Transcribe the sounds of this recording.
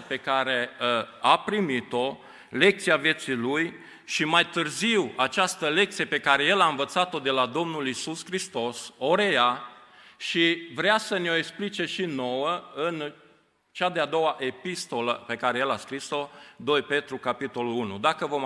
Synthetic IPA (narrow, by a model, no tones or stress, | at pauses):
pe̞kaɾe̞apɾimit̪o̞ | le̞k̚t̪siavje̞t̪siluj | ʃimajt̪ɨrziwat͡ʃast̪əle̞k̚t̪sije̞pe̞kaɾe̞jelaɨnvət̪sat̪o̞d̪e̞lad̪o̞mnulisuskɾist̪o̞so̞ɾeja | ʃivɾeasəneo̞eksplit͡ʃe̞ʃino̞wəɨn | t͡ʃad̪ead̪o̞waʔe̞pist̪o̞lə̰pe̞kaɾejelaskɾiso̞d̪o̞jpe̞t̪ɾukapit̪o̞lulunṵd̪akəvo̞m